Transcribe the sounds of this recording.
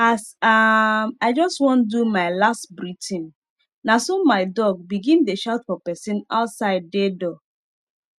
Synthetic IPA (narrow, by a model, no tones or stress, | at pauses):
asamaɪd͡ʒɔstwɔ̃ndumaɪlastbɹitʰĩn | nasomaɪdɔɡ̚biɡĩndeʃaʊtfɔpɛsĩna̰ʊtsaɪd̚ːedɔ